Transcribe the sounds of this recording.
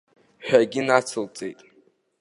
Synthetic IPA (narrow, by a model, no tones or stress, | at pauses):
ħᶣaɡʲinat͡sʰɨlt͡sʼejtʼ